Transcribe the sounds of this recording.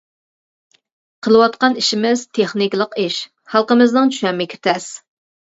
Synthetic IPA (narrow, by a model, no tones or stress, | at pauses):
qʰəlˠɨwɑt̪̚qɑniʃɪmɪz̥t̪ʰeχnikʲlˠəqiʃ | hɑlˠqəmɨznɨŋt͡ʃʰy̥ʃɛmːɪkʲʰe̥t̪ʰɛs